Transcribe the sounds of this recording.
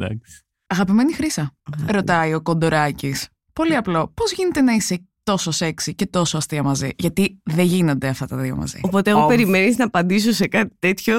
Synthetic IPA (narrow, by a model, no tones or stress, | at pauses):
d̪ɐ̰ks | ɐɣɐpime̞nixɾisɐɾo̞t̪ɐio̞ko̞nd̪o̞ɾɐcis | po̞liɐplo̞po̞zʝine̞t̪e̞nɐise̞ | t̪o̞so̞se̞ksice̞t̪o̞soɐst̪iɐmɐziʝɐt̪iðeʝino̞nd̪e̞ɐft̪ɐt̪ɐðio̰mɐ̰zḭopo̞t̪eɣope̞ɾime̞niznɐːpɐnd̪is̬osekɐt̪i̥t̪e̞t̪ço